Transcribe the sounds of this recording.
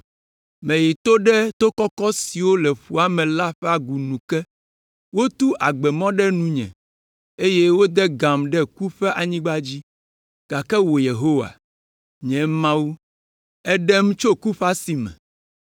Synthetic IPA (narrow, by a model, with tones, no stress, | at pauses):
mɛ̃˨ji˨t̪o˦ɖɛ˦t̪o˦kɔ˦kɔ˦si˨wo˦lɛ˨ɸu˦a˨˦mɛ̃˨la˦ɸɛ˦a˨ɡu˨nũ˨kɛ˦ | wo˦t̪u˦ʔa˨ɡ͡bɛ˨mɔ̃˦ɖɛ˦nũ˦ɲɛ̰̃˨ | e˦je˦wo˦d̪ɛ˦ɡã˨mɖɛ˦ku˦ɸɛ˦ʔa˨ɲĩ˦ɡ͡ba˦d͡ʑi˦ | ɡ̥a˨kɛ˦wo˨je˨ɦo˦wa̰˨ | ɲɛ̃˨mã˦wu˦ | ɛ˦ɖɛ˦mũ˦t͡ʃo˦ku˦ɸa˦si˨mɛ̰̃˨